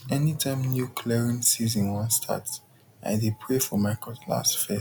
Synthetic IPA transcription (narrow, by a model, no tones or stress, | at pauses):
ɛnitʰãɪ̃mnjukʰlɛɹĩnsizə̃nwɔ̃nstʰa̰ts | ʔa̰ɪdipʰɹefɔmaɪkɔlla̰stfɛ